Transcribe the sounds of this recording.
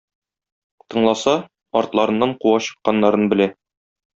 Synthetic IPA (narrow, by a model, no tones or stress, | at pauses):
t̪ɤ̆ɴlˠɑsɑ | ɒɾt̪lˠɑɾɤ̆nːɑɴquwɑɕɤ̥̆qːɑnːɑɾɤnbɘ̆læ